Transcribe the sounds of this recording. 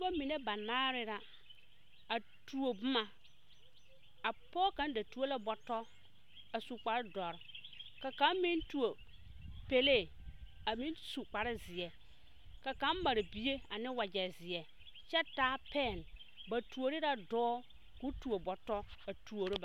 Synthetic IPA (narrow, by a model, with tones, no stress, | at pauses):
u˦a˦mi˨ne˦ba˨naː˦ɾɪ˦ɾa˨ | a˨ | tu˨o˨bʊ˦ma˨ | a˨pɔː˦ka˦n˦da˨tu˨˦o˦la˦bɔ˨tɔ˦ | a˨su˨k͡pa˨ɾɪ˦dɔ˨ɾka˨ka˨˦mmi˦ntu˨o˨ | pe˦le˦˨ | a˨mĩ˦nsu˨k͡pa˨ɾɪ˦zɪ˨ɛ˨ | ka˨ka˨˦mma˨ɾɪ˨bi˨je˦a˨nɪ˦wa˨d͡ʒɛ˨zɪ˨ɛ˨ | t͡ʃɛ˦taː˦pɛ˦˨n˨ | ba˨tu˨o˨ɾɪ˦ɾa˦dɔː˦ | ku˦tu˨o˨bɔ˨tɔ˦a˨tu˨o˨ɾɪ˦ba˨